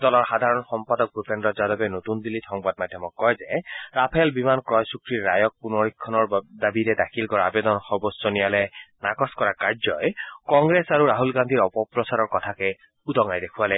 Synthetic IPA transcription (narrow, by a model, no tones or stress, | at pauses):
dɔlɔɹxad̪ʱaɹɔnxɔmpadɔk̚ɡupʰendɔzadɔbɛnot̪und̪ilitʰɔŋbad̚mad̪ʱjɔmɔkːɔjzɛɹapʰɛlbimankɹɔjsukɹiɹːajɔk̚punɔɹikʰːɔnɔɹdabiɾɛdakʰilkɔɹabed̪ɔnxɔbɔssɔnijalɛnakɔskɔɹakaɹzɔjkɔŋɡɹesaɹuɹaɦulɡandʱiɹɔpɔpɹɔsaɹɔɹkɔt̪ʰakɛ | ud̪ɔŋajdekʰualɛ